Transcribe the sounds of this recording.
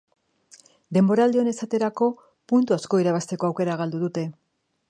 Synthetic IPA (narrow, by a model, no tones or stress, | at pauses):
d̪e̞mbo̞ɾaːld̪eo̞ne̞sat̪e̞ɾako̞ | punt̪uasko̞iɾaβ̞ast̪e̞ko̞awke̞ɾaɣ̞ald̪uðut̪e̞